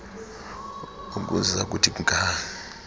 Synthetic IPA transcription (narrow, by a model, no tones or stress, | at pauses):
uk̬ṵzak̬utʰiukʼaa